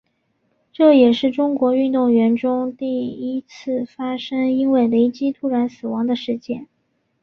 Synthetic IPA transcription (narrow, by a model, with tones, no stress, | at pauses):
ʈ͡ʂɤ˥˩jɛ˨˩ʂɻ̩˥˩ʈ͡ʂʊ˥ŋkwɔ˧˥y˥˧nt̪ʊ˥˩ŋɥɛ˧˥nʈ͡ʂʊ˥ŋt̪i˥˩i˥t͡sʰɹ̩˥˩fa˥ʂə˥ŋi˥nwe˥˩ɪle˧˥ɪt͡ɕi˥t̪ʰu˥ɻa˧˥nsɹ̩˨˩wɑ˧˥ŋd̪ə˧ʂɻ̩˥˧t͡ɕjɛ̰˥˩n